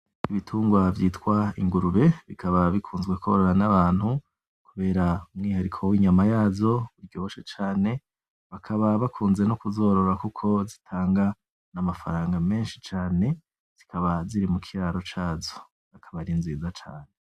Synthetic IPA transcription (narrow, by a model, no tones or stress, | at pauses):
iβitʰuːŋɡwavjiːtkwaḭŋɡuɾuβe̞βikʰaβaβikʰuːnzɡwe̞ko̞ɾoɾanaβaːn̥hu | kuβe̞ːɾaumŋiːhaɾikʰo̞wiːɲamajaːzo̞uɾɟo̞ːβʃet͡ʃaːne̞ | βakʰaβaβakʰuːnze̞nokuzo̞ɾo̞ɾakukʰo̞zitʰaːŋɡa | namafa̰ɾaːŋɡame̞ːnʃit͡ʃaːne̞ | z̥ikʰaβaziɾimukʰiɾaːɾo̞t͡ʃaːzo̞ | akʰaβaɾinziːzat͡ʃa̰ːne